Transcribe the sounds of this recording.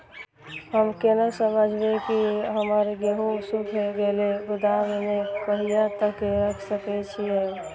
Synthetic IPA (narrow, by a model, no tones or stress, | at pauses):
ɦəmkenəsəməd͡ʒʱbekiɦəməɾɡeɦũsukʰeɡeːlebʊd̪amnepəɦijat̪əkːeɾəkʰsəket͡ʃʰiẽː